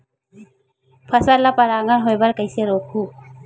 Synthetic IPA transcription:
pʰasaɾlapaɾaŋanɦojbaɾkajseɾokʰu

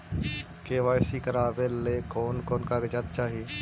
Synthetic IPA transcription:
keːʋaːjsikəɾaːbelekɔːnkɔːnkaɡəd͡ʒət̪̚t͡ʃaːɦie

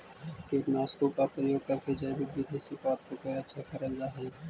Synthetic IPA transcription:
keːkmaːskokapɾəjoːɡ̚kɐɾked͡ʒaebebɪd̪ʱeːsikaːp̚koɡeːɾɐtːʃʰakɐɾəld͡ʒaːɦe

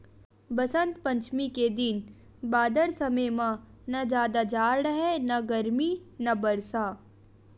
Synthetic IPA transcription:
bɐsə̃nt̪pɐ̃ɲt͡ʃmiked̪ɪn | baːd̪əɾsɐmejmãnɐd͡ʒaːd̪ad͡ʒaːɾɾɐɦenɐɡɐɾminɐbɐɾsaː

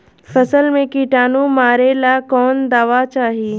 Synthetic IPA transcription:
fɐsəlmẽkiʈaːnumaːɾelakɔːnd̪aːʋat͡ʃaːɦiː

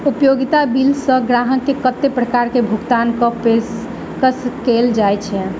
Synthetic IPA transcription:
upjoɡit̪abilsə̃ɡɾaɦəkːekət̪ːepɾəkaɾkebʱuɡt̪ankəpes | kəskeld͡ʒajt͡ʃʰɛ

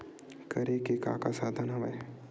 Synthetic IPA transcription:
kɐɾekeka̰ːkasaːd̪ʱanɐʋɐj

